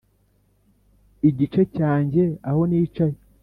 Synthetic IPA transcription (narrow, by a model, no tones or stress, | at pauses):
iɟit͡ʃecaːɲɟe̞aho̞niːt͡ʃaje